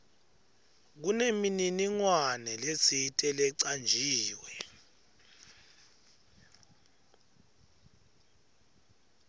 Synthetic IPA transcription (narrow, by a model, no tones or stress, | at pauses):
k̬unemininiŋwanɛlesitʼɛlɛǀand͡ʒʱiːwɛ